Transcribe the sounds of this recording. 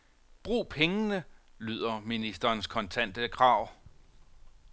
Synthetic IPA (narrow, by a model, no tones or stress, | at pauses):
b̥ʁṵːpʰeŋənəlyð̞̰ˠɐminisd̥ɐːnskʰɒ̽nt͡sʰæn̰d̥əkʰʁɑ̈ʊ̰